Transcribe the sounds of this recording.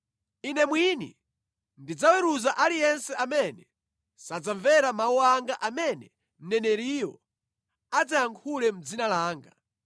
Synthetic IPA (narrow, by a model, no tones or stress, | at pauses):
inɛmwinḭ | ndid͡zawɛɾuzaʔalijɛnsɛʔamɛnɛ | sad͡zaɱvɛɾamauaŋɡaʔamɛnɛ | m̩nɛnɛɾiːjɔ | ad͡zajaŋkʰulɛm̩d͡zinalaːŋɡa